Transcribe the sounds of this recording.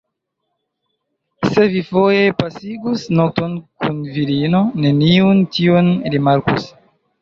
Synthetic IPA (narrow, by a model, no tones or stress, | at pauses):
se̞vifoje̞pasiɡusnoto̞nkunviɾino̞ne̞niuntionɾimaɾkṵs